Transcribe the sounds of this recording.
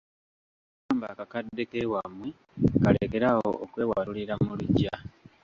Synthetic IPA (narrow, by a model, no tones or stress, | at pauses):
aːmba̰kakadːe̞kewamwe | kaleke̞ɾao̰ːkwe̞ːwaɾuliɾamuluɟa